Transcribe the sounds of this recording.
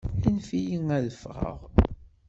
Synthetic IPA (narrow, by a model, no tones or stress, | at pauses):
infijiŋæðəfʁə̰ʁ